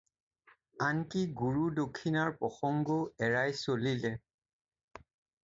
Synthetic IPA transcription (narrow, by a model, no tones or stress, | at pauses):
ankiɡuɹudokʰːinaɹpɔxɔŋɡɔɛɹajsolilɛ